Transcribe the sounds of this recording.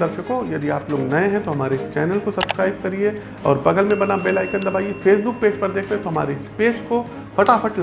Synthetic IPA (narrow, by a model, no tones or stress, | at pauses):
ɐɾʃəkojɐd̪iaːploːɡnɐẽɦɛ̃t̪oɦɐmaːɾeɪst͡ʃɛːnəlkosɐb̥skɾaːɪb̚kɐɾie | ɔ̰ːɾbɐɡəlmẽbɐnabeːlaːikɐɾd̪ɐbaːiefeːsbʊk̚peːd͡ʒpɐɾd̪eːkʰt̪eɦɛ̃t̪oɦɐma̰ːɾeɪspeːd͡ʒko | fʰɐʈaːfɐʈl